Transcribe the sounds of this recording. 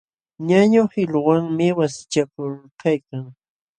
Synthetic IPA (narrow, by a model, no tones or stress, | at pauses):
ɲaɲʊhɪʎwaŋmɪwasɪ̥t͡ʃakʊɾkajkaŋ